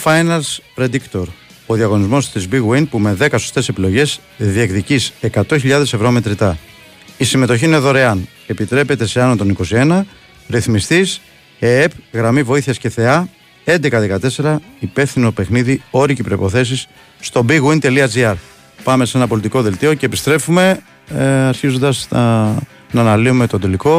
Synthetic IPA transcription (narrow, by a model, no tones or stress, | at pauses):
fɐjnɐlspɾe̞d̪ikt̪o̞ɾ | oðiɐɣo̞nizmo̞st̪izbiɣwinpume̞ðe̞kɐsost̪e̞se̞pilo̞ʝe̞z | ðiekt̪icise̞kɐt̪o̞çiʎɐðe̞se̞vɾo̞me̞t̪ɾit̪ɐ | isime̞t̪o̞ç̬iineðo̞ɾe̞ɐn | e̞pit̪ɾe̞pe̞t̪e̞seɐnot̪o̞niko̞sie̞nɐ | ɾiθmist̪is | eepɣɾɐmivo̞iθiɐsce̞θe̞ɐ | e̞nd̪e̞kɐðe̞kɐt̪e̞se̞ɾɐipe̞fθino̞pe̞xniðio̞ɾicipɾo̞ipo̞θe̞s̬isː | t̪o̞biɣuint̪e̞liɐd͡ziɐɾ | pɐme̞senɐpo̞lit̪ikoðelt̪io̞ce̞ːpist̪ɾe̞fume̞ | ɐɾçizond̪ɐsɐ | nɐːnɐliume̞t̪od̪eliko̞